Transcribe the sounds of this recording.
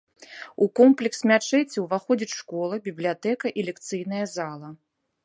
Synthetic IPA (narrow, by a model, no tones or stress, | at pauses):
ukɔmplʲɛksmʲat͡ʂɛt͡sʲiwvaxɔd͡zʲit͡sʲʂkɔlˠɐbʲiblʲijat̪ɛkɐʔilʲɛkt̪sɨjn̪ɐjɐzalˠɐ